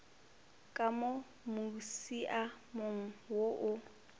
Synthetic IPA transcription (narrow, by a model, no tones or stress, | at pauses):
kʼamo | musiʔamoŋ̩woʔʊ